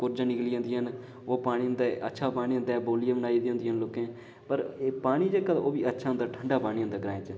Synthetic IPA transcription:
kʊɾd͡ʒãːnɪkliːãːnd̪iːɦən | oːpaːɽ̃ĩːnd̪aːʔətːʃʰaːpaːɽ̃iːə̃nd̪aːboːljaːbənaːid̪ːõnd̪iːɦənloːkẽː | pəɾpaːɽ̃iːd͡ʒeːkə̰oːbiːətːʃʰaːʊ̃nd̪aːʈʰəɳɖaːpaːɽĩːə̃nd̪aːɡəɾaːẽːt͡ʃə

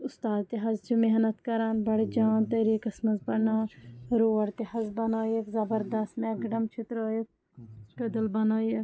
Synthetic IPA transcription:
ʊst̪aːd̪̚t̪eɦɐzd͡ʒumeɦnɐt̪kɐɾaːnbɐɽd͡ʒaːnt̪ɐɾiːkɐsmɐzpɐɽnaːɾoːɐɽt̪ehɐzbɐnaːjekzɐbɐɾd̪ɐst̪mɛ̃ːɡɖɐmt͡ʃʰɪt̪ɾoːjek̚ | kɐd̪əlbɐnaːjek

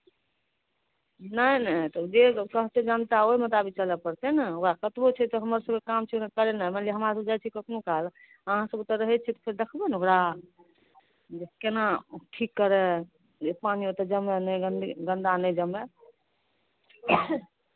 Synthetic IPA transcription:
nənət̪ɔd͡ʒekəɦt̪ed͡ʒant̪aomət̪abit͡ʃəlɛpəɾt̪ɛnəoɾakət̪bot͡ʃʰɛt̪ɔɦəməɾsəbkekamt͡ʃʰiokekəɾɛnaməliɦəmɾasəbd͡ʒajt͡ʃʰikək̪ʰnokəɦel | əɦãsəbut̪əɾːəɦɛt͡ʃʰɛt̪ɔ̥pʰeɾd̪ekʰbɛnoɾa | d͡ʒekenaʈʰikːəɾɛ | d͡ʒepaniot̪əd͡ʒəmɛnəjɡənɡənd̪anəjd͡ʒəme

